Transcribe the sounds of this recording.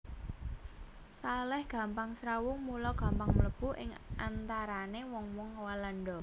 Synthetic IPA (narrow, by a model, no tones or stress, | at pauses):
salɛhɡ̥ä̤mpaŋsɾawʊŋmulɔɡ̥ä̤mpaŋmələb̥ṳʔɪ̰ŋʔant̪aɾanewɔŋwɔŋwalaɳɖɔ